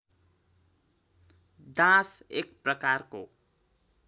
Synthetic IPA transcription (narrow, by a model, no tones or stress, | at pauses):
d̪ãsek̚prʌkarko